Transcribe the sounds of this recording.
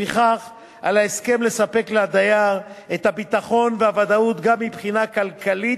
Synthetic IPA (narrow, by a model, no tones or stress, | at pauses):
iχaχ | ʔa̰laeske̞mle̞sape̞klead̪ajaʁet̪habit̪aχo̞nveavad̪aut̪ɡamːipχinakalkali